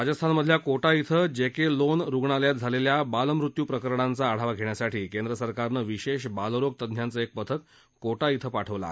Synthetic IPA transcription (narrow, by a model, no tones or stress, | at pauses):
ɾad͡zəst̪ʰanməd̪ʱljakoʈait̪ʰəd͡ʑekelonɾuɡɳaljat̪̚d͡zʱaleljabaləmɾut̪juːpɾəkəɾɳant͡saːɽ̤aʋaɡʱeɳjasaʈʰiːkend̪ɾəsəɾkaɾnəʋiɕeɕ̬balɾoɡ̚t̪əd̪ʱjant͡səek̚pət̪ʰək̪̚ | koʈait̪ʰəpaʈʰəʋla̰